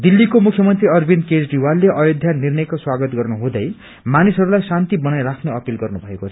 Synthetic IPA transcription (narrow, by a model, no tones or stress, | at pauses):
d̪ilːikomukʰjʌmʌnt̪riʌrbinkesɖiwalːeʔʌjod̪ʱjanirnʌjkoswaɡʌt̪ɡʌrnuɦũd̪ʌj | manisɦʌɾulajsant̪ibʌnajɾakʰneʌpilɡʌrnubʱʌekot͡sʰʌʌ